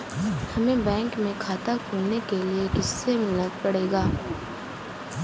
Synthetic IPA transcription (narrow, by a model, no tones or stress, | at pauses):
hɐmẽbɛ̃ːŋkmẽkʰaːt̪akʰuːlnekelieɦɪsːemɪlnət̪̚pɐɽeːɡaː